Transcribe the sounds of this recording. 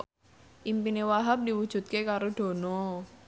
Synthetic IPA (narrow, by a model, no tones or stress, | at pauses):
ʔimpinewaɦap̚diwud̥ʒ̥ṳt̪̚kekaɾod̥o̤nɔ